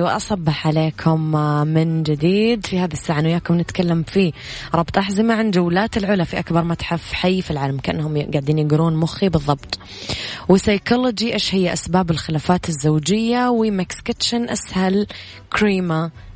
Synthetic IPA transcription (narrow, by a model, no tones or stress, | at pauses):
wɪʔɑ̰sˤɑbːɑħʕaleːkʰʊmmɪnd͡ʒɪd̪iːd̪fihaːðisːaːʕanwjaːkʊmnɪt̪kalːamfi | ɾˤɑbt̪ˤʔaħzɪmaʕand͡ʒawlaːt̪ɪlʕʊlafiʔakbɑɾˤmat̪ħafħajːfilʕaːlamkaʔa̰nːhʊmɡaʕd̪iːnjɪɡɾuːnmʊxibɨðˤːɑbt̪ˤ | wɪsajkolod͡ʒiʔeːʃhɪjːaʔasbaːbɪlxɪlaːfaːt̪ɪzːawd͡ʒɪjːawɪmakskɪt̪ʃanʔashal | kɾiːma